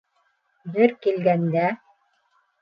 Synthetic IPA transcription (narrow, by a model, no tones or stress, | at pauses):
jɘɾkilɡænd̪æ